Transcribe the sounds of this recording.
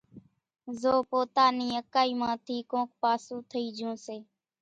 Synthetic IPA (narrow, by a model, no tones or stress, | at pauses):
zoːpoːt̪aːniːəkaːiːmãːt̪ʰiːkõːk̚paːsũːt̪ʰəiːd͡ʒõːseː